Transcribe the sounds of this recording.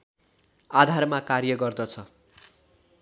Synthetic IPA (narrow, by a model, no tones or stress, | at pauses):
ad̪ʱarmakarjʌɡʌrd̪ʌt͡sʰʌ